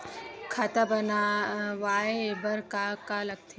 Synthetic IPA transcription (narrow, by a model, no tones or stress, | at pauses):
kʰɐt̪abɐnaʋaːebɐɾkakalɐɡ̚t̪ʰe